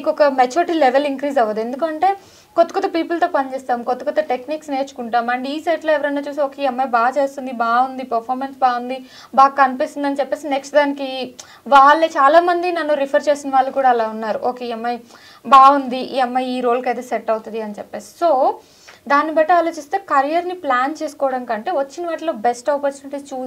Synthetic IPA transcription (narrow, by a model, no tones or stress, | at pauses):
ikɔkɐmet͡ʃuːɾiʈiːlɛʋeliŋkɾiːzɐʋːɐd̪ue̞nd̪ukɐɳʈe̞ː | kot̪ːɐ̥kot̪ɐpiːpɐlt̪o̞ːpɐnit͡ʃeːst̪aːmukot̪ːɐkot̪ɐʈekniːksneːt͡ʃu̥kuɳʈaːmɐɳɖiːseʈloːɛʋɐɾɐnːaːt͡ʃuːsoːkeɛmːɐjbaːt͡ʃe̞ːst̪und̪ibaːund̪ipɐɾpʰaːɾmensbaːund̪i | baːkːɐnipist̪und̪ɐnit͡ʃɛpːe̞ːsineksʈd̪aːniki | ʋaːɭːet͡ʃaːlaːmɐnd̪inɐnːuɾipʰɐɾt͡ʃe̞ːsinɐʋaːɭːɐkuːɽaːlaːunːaːɾuʔoːkeɛmːɐj | baːund̪iʔɛmːɐjiːɾo̞ːlkɐjt̪̬eːseʈːɐwut̪und̪iɐnit͡ʃɛpːe̞ːsi̥so̞ː | d̪aːnibɐjʈɐaːlo̞ːt͡ʃist̪e̞ːkɐɾijɐɾniplaːnt͡ʃe̞ːsu̥kɔːɐɽɐnkɐɳʈe̞ːʋɐt͡ʃːinɐʋaːʈilo̞ːbesʈɐʋɐpɐɾt͡ʃunʈit͡ʃuː